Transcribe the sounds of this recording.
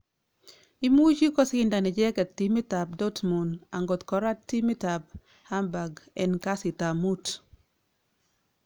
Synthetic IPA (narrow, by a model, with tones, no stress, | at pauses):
i˦mu˦d͡ʒi˦kɔ˦sɪ˦nda˨nɛ˨d͡ʒɛ˦kɛ˨tːi˦mi˦ta˨b̚dɔ˦tmu˨na˨ŋɡo˨t̪kɔ˨ɾa˦ttːi˦mi˦ta˨b̚ | ha˦mba˨ɡɛ̰˨nka˦sɪ˨ta˨mu˦t